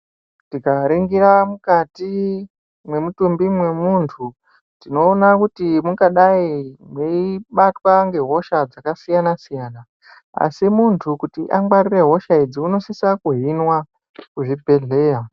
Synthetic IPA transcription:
tikaɾeŋɡiɾamukati | mwe̞mutumbimwe̞muntʰu | tino̞ːnakutimukaɗaimweiɓatwaŋɡe̞ɦo̞ʃad͡zakasijanasijaːna | a̰simuntʰukutiʔaŋɡwarire̞ɦo̞ʃaid͡ziuno̞sisakuɦinwa | kuʐibʱe̞ɮe̞ːja

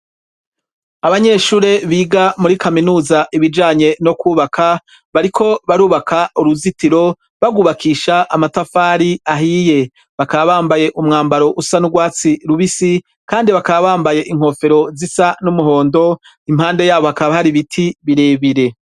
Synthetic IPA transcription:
aβaɲe̞ːʃuːɾe̞βiːɡamuɾikaminuːzaʔiβid͡ʒaːɲe̞no̞kuːβakʰa | βaɾikʰo̞βaɾuːβakʰauɾuzitiɾo̞ | βaɡuβakʰiːʃaʔamatafaːɾiaɦiːje̞ | βakaβaβaːmbaje̞ʔumŋaːmbaɾo̞ʔusanuɡwaːt͡siɾuβisi | kaːndiβakaβaβaːmbaje̞ʔiŋ̥ho̞ːfe̞ɾo̞zisanumuɦo̞ːndo̞ | imhaːnde̞jaːβo̞hakaββahaɾiβitʰiβiɾe̞ːβiɾe̞

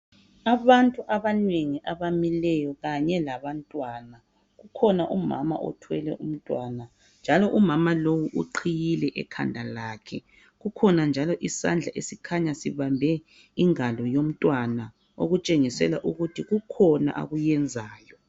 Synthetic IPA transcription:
aβantʼuʔaβaneŋiʔaβamilɛjɔɣaɲɛlaβantʼwana | ɣukʰɔnaʔuma̰ma̰ʔɔ̰tʰwɛlɛ̰ʔum̩tʼwaːna | nd͡ʒʱalɔʔumamalowuʔuǃʰijilɛʔɛ̰kʰa̰ndʱalaːkʰɛ | ɣukʰɔnand͡ʒʱalɔʔisa̰nd͡ɮʱaʔesikʰaɲasiβambʱɛ | iŋalɔjom̩tʼwana | o̰ɣut͡ʃʼeŋisɛ̰la̰ʔuɣutʰiɣukʰɔna̰ʔa̰ɣujɛnd͡zʱaːjɔ

